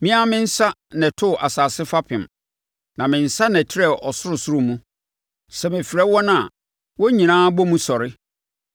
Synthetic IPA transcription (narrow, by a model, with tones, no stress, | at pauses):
mɪ̃˦a˦mɪ̃˦n̩˦sa˦nɛ̃˨tʰʊ˦˨ʔa˨saː˨sɪ˦fa˦pʰɪ̃˨m | nã˨mɪ̃˨n̩˨sa˦nɛ̃˨tʰɪ˦ɾɛ˦˨ʔɔ˨sʊ˦ɾʊ˨sʊ˦ɾʊ˦mũ˦ | sɛ˨mɛ˨fi˨ɾɛ˦wɔ˦n˦ã˨ | wɔ˦ɲĩ˨nãː˦bɔ˦mũ˦sɔ˨ɾɪ˦